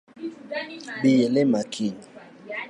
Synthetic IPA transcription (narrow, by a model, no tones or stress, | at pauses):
bijelemakʰiɲi